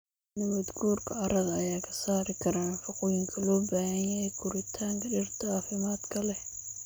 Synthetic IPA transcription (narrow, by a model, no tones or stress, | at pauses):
nɐβɐd̪ɡuːrkʰɐɐɾɐðɐɐjaːkʰɐ̥saːɾɪkʰɐɾaːnfɐqʊjɪŋkʰɐlɔːbaːhɐjɐɛjkʰʊɾɪt̪ʰaːŋkʰɐɗɪrt̪ʰɐaːfɪmaːd̪kʰɐlɛ